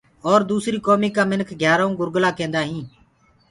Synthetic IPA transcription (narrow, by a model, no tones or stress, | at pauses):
ɔːɾd̪uːsɾiːkoːmiːkaːmɪnkʰɡʱjaːɾaːũːɡʊɾɡlaːkẽːnd̪aːɦĩː